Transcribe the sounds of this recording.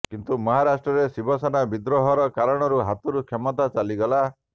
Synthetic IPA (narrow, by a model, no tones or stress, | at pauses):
kint̪umɔɦaɾasʈɾɔɾesibɔsɔnabid̪ɾɔɦɔɾɔkaɾɔɽ̃ɔɾuɦat̪uɾukʰjemɔt̪at͡ʃaliɡɔla